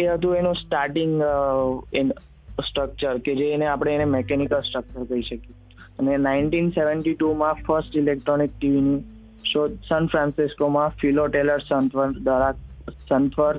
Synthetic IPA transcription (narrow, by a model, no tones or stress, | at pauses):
eɦət̪̬ũenũsʈaɾʈiŋɡ | in | sʈɾək̚t͡ʃəɾked͡ʒeːneapɽ̃eenemɛkɛnikəlsʈɾək̚t͡ʃəɾkəiʃəke | ənenaɪɳʈinseʋəɳʈiʈumãfəɾsʈilek̚ʈɾonik̚ʈiʋini | ʃod̪sanfɾãnsiskomãfiloʈeləɾsənt̪ʰʋəɾd̪aɾasənt̪ʰʋəɾ